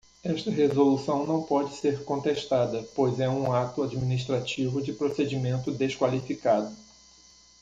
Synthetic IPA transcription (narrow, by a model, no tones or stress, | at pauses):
ɛʃt̪ɐɦezolusɐ̃w̃nɐ̃w̃pɔd͡ʒɪseɾkõnt̪eʃt̪ad̪ɐpojzɛũat̪ʊad͡ʒiminiʃt̪ɾat͡ʃivʊd͡ʒɪpɾosed͡ʒimẽnt̪ʊd̪eskwalifikad̪ʊ